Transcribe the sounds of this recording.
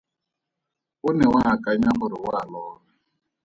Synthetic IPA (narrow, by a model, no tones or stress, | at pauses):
ʊnɛwaakʼaɲaɦʊɾɪwaːlɔːla